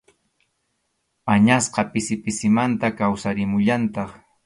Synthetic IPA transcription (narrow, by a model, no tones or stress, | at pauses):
aɲasqɑpɪsɪpɪsɪmant̪akawsaɾɪmʊʎant̪ɑχ